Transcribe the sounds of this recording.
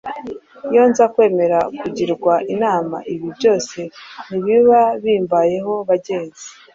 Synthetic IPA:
jo̞nzakwe̞ːme̞ɾakuɟiɾɡwaʔinaːma̰ʔiβibjo̞ːse̞niβiβaβiːmbaje̞ɦo̞βaɟe̞ːnzi̥

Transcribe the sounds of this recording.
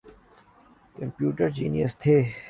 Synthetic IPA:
kɐmpjuːʈəɾd͡ʒḭːnijəst̪ʰeː

